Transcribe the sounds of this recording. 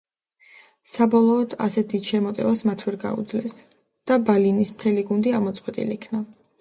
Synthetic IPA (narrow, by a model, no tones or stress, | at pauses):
sabɔlˠɔːd̪̥a̰sɛt̪̚ʰd̪id̪̥ʃɛmɔt̪ʼɛvasmat̪ʰwɛɾɡa̰ṵd̪zlɛs | d̪̥abalinismt̪ʰɛliɡund̪iaʁmɔt̪sʼqʼwɛt̪ʼḭlikʰna